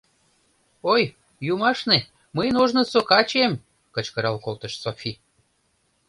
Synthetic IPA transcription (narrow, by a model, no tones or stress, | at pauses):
oj | jumɑʃne | məjnoʒnəsokɑt͡ɕem | kət͡ɕkəɾɑlkolt̪ə̆ʃsofʲi